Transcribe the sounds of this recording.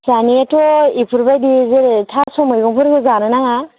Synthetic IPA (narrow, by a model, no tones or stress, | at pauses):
saniatɔipʰuɾbajdizeɾtʰasɔmɔjɡɔŋpʰɔɾɡɯzanɯnaŋa